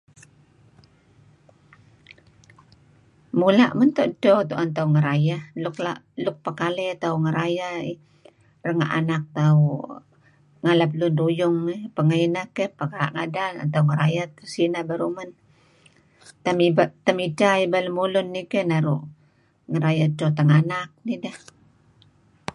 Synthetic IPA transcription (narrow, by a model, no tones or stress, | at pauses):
mulaʔmənt̪ɔʔdɔt̪uʔant̪auŋəɾajahlʊkla̰ | lʊk̚pakalɛt̪auŋəɾajaḭ | rəŋa̰ʔa̰nak̚t̪au | ŋalap̚lʊndujʊŋːipəŋainakəhpakaɾa̰ʔŋadala̰t̪auŋəɾajat̪əsinabaɾumən | t̪amibat̪amid͡ʒaibaləmulʊnːikehnaɾuʔ | ŋəɾajadot̪aŋanak̚nidah